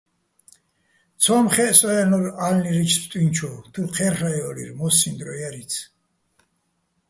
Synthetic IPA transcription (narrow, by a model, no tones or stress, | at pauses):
t̪sʰɔmχɛsʼɔjanɔɾalniɾit͡ʃʰspʰt̪ʼwint͡ʃʰɔt̪ʰuqʰɛɾχaɛɔlḭɾmɔsind̪ɾɔjaɾit̪sʰ